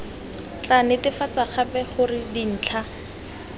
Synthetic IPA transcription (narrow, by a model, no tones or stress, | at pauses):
t͡ɬanɪtɪfat͡saχʰapɛχʊrɪdin̩ːt͡ɬʰa